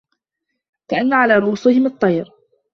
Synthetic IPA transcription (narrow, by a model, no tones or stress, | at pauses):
kaʔanːaʕalaːɾˤuːsɪhɪmɨt̪ˤːɑjɾ